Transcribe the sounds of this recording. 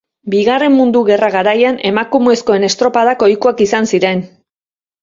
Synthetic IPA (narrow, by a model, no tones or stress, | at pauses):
biɣare̞mmund̪uɣe̞raɣaɾajane̞makumuesko̞e̞ne̞st̪ɾo̞paðako̞jkuakisansiɾe̞n